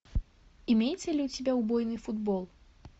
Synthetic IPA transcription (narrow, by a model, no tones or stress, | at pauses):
imʲejɛt̪sʲɐlʲiut͡sʲabʲɛwbɔjnɨfud̪bɔlˠ